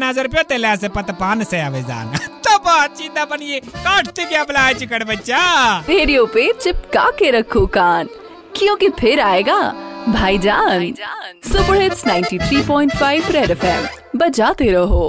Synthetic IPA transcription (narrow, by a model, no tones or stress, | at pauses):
nazəɾpjoːt̪eːleɐs̬epɐt̪paːnseaːʋeza̰ːnt̪opaːt̪̚t͡ʃiːd̪aːpɐnjekaːʈʰt̪ikjablaːet͡ʃʊkəɽbɐtːʃaːt̪eːɾioʊpet͡ʃɪpka̰ːkeɾɐkʰːokaːn | kjõːkepʰɪɾaːeːɡaːbʱaːid͡ʒaːnsʊpəɽɦɪtsnaːɪnʈit̪ʰɾiːpɔːɪ̃ɳʈfʰaːɪʋɾɛːɖɛfʰɛːm | bɐd͡ʒaːt̪eɾɐɦoː